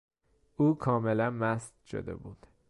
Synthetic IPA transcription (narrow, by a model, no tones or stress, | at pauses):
ʔuːkʰɒːmelænmæst̪ʃo̰d̪ḛbuːd̪̥